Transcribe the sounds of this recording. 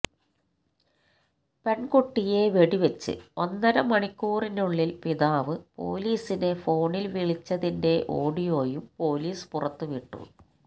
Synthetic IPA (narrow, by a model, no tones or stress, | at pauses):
pe̞ɳkuʈːije̞ʋe̞ɽiʋet͡ɕːɨ̰o̞nːɐnɐmɐɳikʲːuːrinuɭːilpiðaːʋɨpo̞̰ːliːsinefo̞ːɳilʋiɭit͡ɕːɐðinde̞ʔoːɽijo̞ːjumpo̞ːliːspurɐt̪ːɨʋiʈːṵ